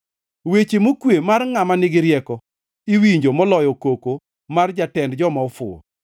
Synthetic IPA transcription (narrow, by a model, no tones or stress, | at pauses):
wet͡ʃemokwemarŋamanɪɡɪɾjɛkɔ | iwiɲd͡ʒomɔlɔjɔkoko | mard͡ʒatɛndd͡ʒɔmaɔfʊ̰ɔ̰